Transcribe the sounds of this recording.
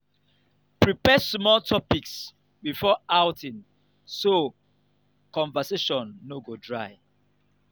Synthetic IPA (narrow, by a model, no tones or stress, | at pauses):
pɹipɛsmɔltʰɔpiks | bifɔawtĩn | so | kɔ̃ɱvaseʃɔ̃nːoɡodɹaɪ